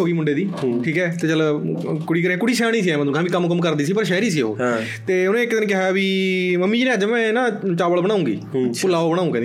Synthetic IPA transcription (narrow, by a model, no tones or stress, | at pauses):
oːɡiːmʊɳɖeːd̪iːʈʰiːkɛːt̪eːt͡ʃəlkʊɽiːkəɾẽkʊɽiːʃɛːɽ̃iːs̬iːɛːm̃uːkʰãbiːkəmkəmkəɾd̪iːsiːpəɾʃɛːɾiːsiːo̰ː | t̪eːʊnẽːɪkːd̪ɪnːkɪɦaːʋiːməmːiːnẽːəd͡ʒmɛ̃ːnãːt͡ʃaːʋəɭbəɽ̃ãːũːɡḭːpʊlaːoːbəɽ̃aːũːkɛ̃n